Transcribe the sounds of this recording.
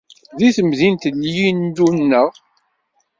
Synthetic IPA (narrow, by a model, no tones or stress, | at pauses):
ðiθəmðint̪əlːjind̪unːəʁ